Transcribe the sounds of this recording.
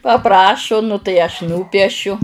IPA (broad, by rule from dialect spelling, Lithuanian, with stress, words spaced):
pɐˈprɑːʃʊ nʊ tɐɪ ˈɐʃ ˈnuːpʲiɛʃʲʊ